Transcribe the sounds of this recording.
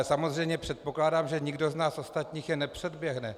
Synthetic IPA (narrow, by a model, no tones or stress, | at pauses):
samozrɛjmɲɛpr̝̥ɛt̪̚po̞klaːdaːmʒɛɲiɡdo̞znaːsʔo̞st̪at̪ɲiːxjɛnɛpr̝̥ɛdbjɛɦnɛ